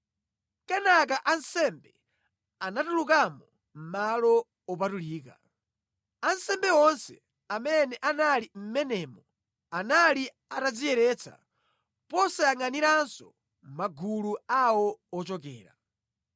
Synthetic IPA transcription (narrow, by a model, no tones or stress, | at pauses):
kanak̬aʔansɛmbɛ | anatulukamɔ | m̩malɔ | ɔp̬atuliːk̬a | ansɛmbɛwɔnsɛ | amɛnɛʔanalim̩mɛnɛːmɔ | anali | atad͡zijɛɾɛt͡sʰa̰ | pɔsaaŋaniɾansɔ | maɡuluawɔɔt͡ʃɔk̬ɛ̰ːɾa̰